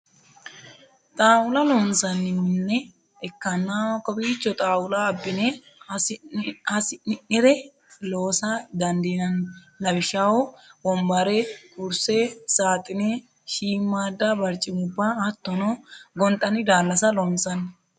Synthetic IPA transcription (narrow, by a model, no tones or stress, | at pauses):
t̪ʼaːwʊlɐloːnsɐnːɪmːɪnːɛ | ɛkːɐnːawkʼːɔbiːt͡ʃːɔt̪ʼaːwʊlɐːbːɪnɛ | ɐsɪnɪʔɪɾɛ | lo̞ːsɐd̪ɐnd̪inɐn | lɐbɪʃawɔbɔmbɐɾɛkʊɾsɛsaːt̪ʼɪnɛ | ʃiːmːaːd̪ːabɐɾt͡ʃʼːɪmʊbːaːt̪ːɔnoɡɔnt̪ʼɐnɪd̪aːlːɐsɐloːnsɐnːɪ